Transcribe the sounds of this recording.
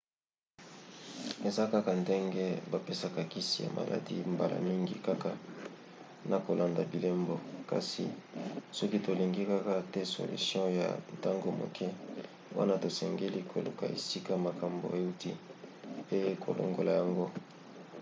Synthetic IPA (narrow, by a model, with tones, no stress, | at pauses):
e˨za˦ka˦ka˨nde˦ŋɡɛ˦ba˨pe˦sa˦ka˨ki˦si˨ja̰˨ma̰˨la̰˨dḭ˦mba˨la̰˨mi˦ŋɡḭ˦ka˦ka˨ | na˨ko˨la˨nda˨bi˨le˦mbo˨ka̰˨si˨sɔ˦ki˦to˨li˨ŋɡi˦ka˦ka˦tɛ˦so̰˨lṵ˨sjɔ̃˦ja̰˨nta˦ŋɡo˨mo̰˨kʰɛ˦ | wa̰˦na˦to˨sɛ˨ŋɡe˦li˦kʰo˨lu˨ka̰˨ḛ˨si˦ka˦ma˨ka˨mbo̰˨e˦u˦ti˦ | e˦ko̰˨lo̰˨ŋɡo˨la˨ja˨ŋɡo˦